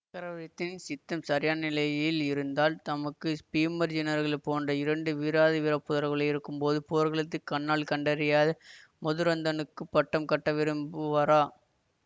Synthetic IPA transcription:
kːɐɾɐʋɐɾɪt̪ːɪnsɪt̪ːɐmsɐɾɪjaːnɪlɐjɪlɪɾɯnd̪aːlt̪ɐmɐkːɯspiːmɐɾd͡ʒɪnɐɾɣɐɭpoːndrɐɪɾɐɳɖɯʋiɾaːðiʋɪɾɐpːɯðɐɾɣɐɭɐɪɾɯkːɯmpoːðɯpoːɾɣɐɭɯt̪ːɯkːɐɳːaːɭkɐɳɖɐɾɪjaːðɐ | mɔðɯɾɐnd̪ɐnɯkːɯpːɐʈːɐmkɐʈːɐʋɪɾɯmbɯʋɐɾaː

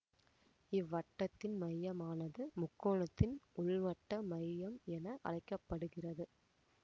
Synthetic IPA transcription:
ɪʋːɐʈːɐt̪ːɪnmɐjːɐmaːnɐðɯmʊkːoːɳɐt̪ːɪnʊɭʋɐʈːɐmɐjjɐmɛnɐʔɐ̰ɭɐɪkːɐpːɐɽɯɣɪrɐðɯ

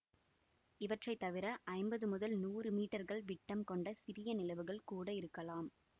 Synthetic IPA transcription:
ɪʋɐʈrɐɪt̪ːɐʋɪɾɐʔɐɪmbɐðɯmʊðɐlnuːrɯmiːʈːɐɾɣɐɭʋɪʈːɐmkɔɳɖɐsɪɾɪjɐnɪlɐʋɯɣɐɭkuːɽɐɪɾɯkːɐlaːm

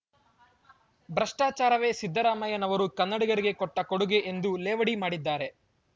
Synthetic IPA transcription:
bɾɐʂʈaːt͡ʃaːɾɐʋe̞ːsid̪ːɐɾaːmɐjɐnɐʋɐɾukɐnːɐɽiɡɐɾiɡe̞kɔʈːɐkoɽuɡe̞ʔend̪uleːʋɐɽimaːɽid̪ːaːɾe̞

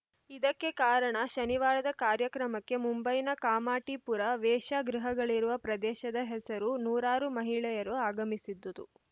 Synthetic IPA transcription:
id̪ɐkːe̞kaːɾɐɳɐʃɐniʋaːɾɐd̪ɐkaːɾjɐkɾɐmɐkːe̞mumbɐjnɐkaːmaːʈipuɾɐʋɛːʃaɡɾiɦɐɡɐɭiɾuʋɐpɾɐd̪ɛːʃɐd̪ɐɦɛsɐɾunuːɾaːɾumɐɦiɭɛjɐɾuaːɡɐmisid̪ːɐd̪ṵ

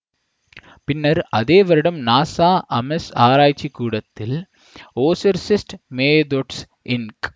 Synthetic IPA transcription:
pɪnːɐɾɐðeːʋɐɾɽɐmnaːsaːʔɐmɛsaːɾaːjt͡ʃːikːuːɽɐt̪ːɪl | oːsɐɾsɪsʈmeːd̪oʈs | ʔɪnk

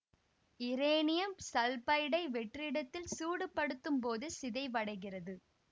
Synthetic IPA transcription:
ɪɾeːnɪjɐmsɐlpɐɪɽɐɪʋɛʈrɪɽɐt̪ːɪlsuːɽɯpːɐɽɯt̪ːɯmpoːðɯsɪðɐɪʋɐɽɐɪɣɪrɐðɯ

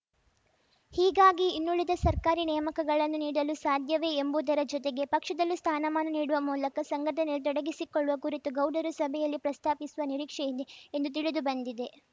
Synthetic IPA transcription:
hiːɡaːɡiːnːuɭid̪ɐsɐɾkaːɾinɛːmɐkɐɡɐɭɐnːuniːɽɐlusaːd̪ʱjɐʋe̞embuːd̪ɐɾɐd͡ʒɔt̪e̞ɡe̞pɐkʂɐd̪ɐlːist̪ʰaːnɐmaːnɐniːɽuʋɐmuːlɐkɐsɐŋɡʱɐʈʰɐnelːt̪ɔɽɐɡisikoɭːuʋɐkuɾit̪uɡɐwɖɐɾusɐbʱɛjɐlːipɾɐst̪ʰaːpisuʋɐniɾiːkʂɛjid̪eend̪ut̪̬iɭud̪ubɐnd̪id̪e̞

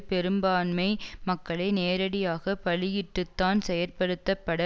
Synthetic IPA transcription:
pɛɾɯmbaːnmɐɪmɐkːɐɭɐɪneːɾɐɽɪjaːɣɐpɐɭɪjɪʈːɯt̪ːaːnsɛjɐɾpɐɽɯt̪ːɐpːɐɽɐ

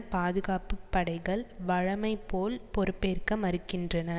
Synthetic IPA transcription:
paːðɯɣaːpɯpːɐɽɐɪɣɐɭʋɐɻɐmɐɪpːoːlpɔɾɯpːeːɾkɐmɐɾɯkːɪndrɐnɐ

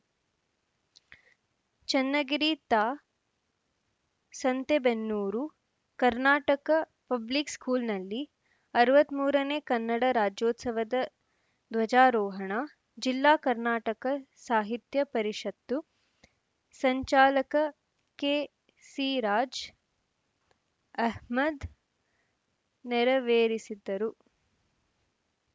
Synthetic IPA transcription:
t͡ʃɐnːɐɡiɾit̪aː | sɐnt̪ebenːuːɾu | kɐɾnaːʈɐkɐ | pɐblikskuːlnɐlːi | ɐɾuʋɐt̪muːɾɐneːkɐnːɐɽɐɾaːd͡ʒjoːt̪sɐʋɐd̪ɐ | d̪ʋɐd͡ʒaːɾɔːɦɐɳa | d͡ʒilːaːkɐɾnaːʈɐkɐsaːɦit̪jɐpɐɾiʂɐt̪ːu | sɐɲt͡ʃaːlɐkɐ | keː | siɾaːd͡ʒ | ɐɦmɐd̪ | nɛɾɐʋeːɾisid̪ːɐɾu

